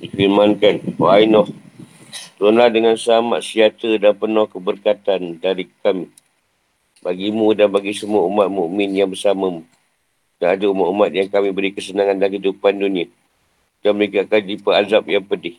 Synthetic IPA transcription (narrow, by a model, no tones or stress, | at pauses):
dikilmankanwainɔh | t̪əɾʊnlahdəŋansəama̰t̪̚siat̪ədanpənɔhkəbərkat̪andaɾikami | baɡimũdanbaɡisəmuaumat̪̚muʔmɪnjaŋbərsamamu | ɡaadaumatumat̪̚jaŋkamĩbəɾikəsənaŋandanɦidupandunia | daməekaakand͡ʒipaazap̚jaŋpədɪh